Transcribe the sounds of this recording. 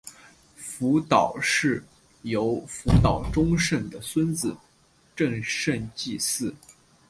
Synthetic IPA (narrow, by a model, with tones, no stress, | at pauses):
fu˧˥t̪ɑ˨˩ʊʂɻ̩˥˩ | jo˧˥ʊfu˧˥t̪ɑ˨˩ʊʈ͡ʂʊ˥ŋʂə˥˩nd̪ə˩swə˥nt͡sɹ̩˨˩ | ʈ͡ʂə˥˧ŋʂə˥˧nt͡ɕi˥˧sɹ̩˥˩